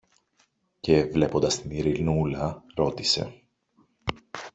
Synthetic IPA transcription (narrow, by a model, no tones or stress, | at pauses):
ce̞vle̞po̞nd̪ɐst̪iniɾilnulɐɾo̞t̪ise̞̰